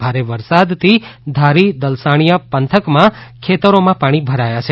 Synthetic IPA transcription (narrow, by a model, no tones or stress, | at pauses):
bʱaɾeʋəɾsad̪t̪ʰid̪ʱaɾid̪əlsaɽ̃ijapənt̪ʰəkmãkʰet̪əɾomãpaɽ̃ibʱəɾajat͡ʃʰe